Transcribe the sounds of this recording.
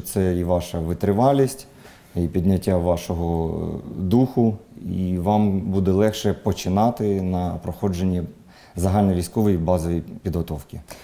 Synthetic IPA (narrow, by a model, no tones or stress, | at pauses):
t̪sɛiʋɑʃɐʋɪt̪ɾɪʋɑlʲisʲtʲ | ipʲid̪ʲnʲɐtʲːaʋɑʃɔɦɔ | d̪uxʊiʋɑmbud̪ɛlˠɛxʃɛpɔt͡ʃɪnɑt̪ɪnɐpɾɔxɔd͡ʒenʲːi | zɐɦɑlʲnɔʋʲijsʲkɔʋɔjibɑzɔʋʲijpʲid̪ɦɔt̪ɔwkʲɪ